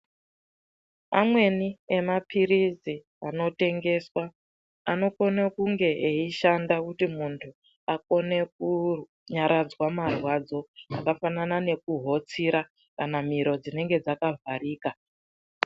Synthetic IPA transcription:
amwe̞nie̞mapiɾizi | ano̞te̞ŋɡe̞swa | ano̞ko̞nekuŋɡe̞ʔeiʃandakutimuntʰu | ako̞ne̞k̚u | ɲaɾʔad͡zwamarwad͡zo̞a̰kafananane̞kuɦo̞t͡siɾa | kanamiɾo̞d͡zine̞ŋɡe̞d͡zakavʱaɾiːka

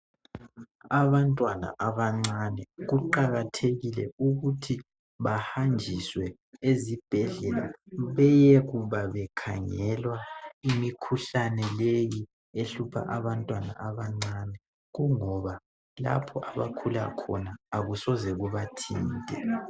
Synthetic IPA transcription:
aβantʼwana̰ʔaβaŋ͡ǀanɛɣuǃaɣatʰeɣilɛuɣutʰi | βahand͡ʒʱiswɛ | ezib̥ʱɛɮɛla̰βɛjɛɣuβaβɛkʰaŋɛlwaimikʰuɬanɛleji | eɬupʰa̰ʔaβantʼwana̰ʔaβaŋ͡ǀanɛ | ɣuŋɔβa | la̰pʰɔʔaβakʰula̰kʰɔnaːɣusɔzɛɣuβatʰiːntʼɛ

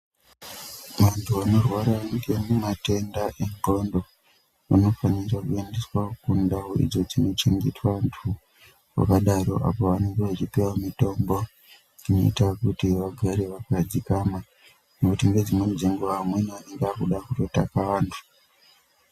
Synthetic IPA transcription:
ʋantʰuano̞rwaɾaŋɡemumate̞ndaʔe̞ŋɡo̞ndo̞ | ano̞fanirakuendeswakundaoḭd͡zo̞d͡zino̞t͡ʃeŋɡetwaantʰu | wa̰kaɗaɾo̞̰ʔa̰po̞ʋane̞ŋɡeʋat͡ʃipewamito̞mbo̞ | ino̞̰itakutiʋaɡʱaɾe̞ʋakad͡zikama | nokutiŋɡe̞d͡zimwend͡zeŋɡoʋamweniane̞ŋɡeakuɗakuto̞takaʋaːntʰu̥

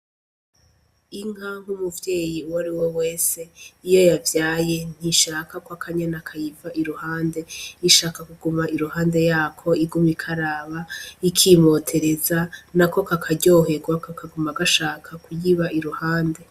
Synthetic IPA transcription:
iŋ̥haŋ̥humuvje̞ːjiuwaɾiwewe̞ːse̞ijo̞javjaːje̞n̥iʃaːkakwakʰaɲanakʰajivaʔiɾuhaːnde̞iʃaːkakuɡumaiɾuhaːnde̞jaːkʰo̞iɡumikʰaɾaːβaikʰimo̞ːtʰe̞ɾe̞zanako̞kakʰaɟo̞ːɦe̞ɡwakakaɡumaɡaʃaːkʰakujiβaʔiɾuhaːnde̞

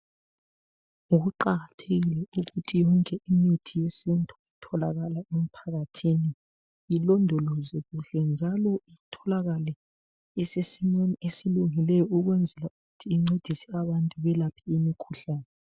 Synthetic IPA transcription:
uɣuǃaɣatʰeɣilɛuɣutʰijɔŋkʼɛimitʰijesintʼʰu̥itʰɔlaɣalaem̩pʰaɣatʰini | ilɔndʱɔlɔzɛɣuɬɛnd͡ʒʱalɔitʰɔlaɣalɛ | isesimweniesiluŋilɛjɔuɣwɛnd͡zʱɛlauɣutʰiːŋ͡ǀed̥ʱisɛaβantʼuβɛlapʰiimikʰuɬaːnɛ

